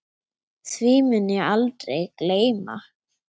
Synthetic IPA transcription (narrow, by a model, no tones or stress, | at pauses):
θvimʏnːɪalt̪ɾejkleːjma̰